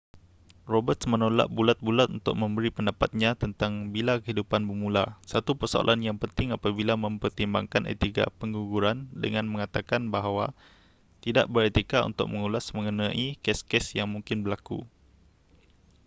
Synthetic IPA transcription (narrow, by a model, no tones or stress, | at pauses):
robət̪smənola̰ʔbulat̪̚bulat̪̚unt̪ʊ̰k̚mə̃mbəɾipəndapat̪̚ɲãt̪ənt̪aŋbilakəɦidupanbərmũlasat̪upərsoa̰lʔanjaŋpənt̪ɪŋapabilamə̃mpərt̪imba̰ŋkanʔḛt̪ika̰pəŋɡuɡuɾandə̰ŋãnmə̃ŋat̪akanbaɦwa | t̪ida̰ʔbəɾet̪ikaṵnt̪ʊ̰k̚məŋulasmə̃ŋənãʔikɛskɛsjaŋmũŋkɪnbəlakṵ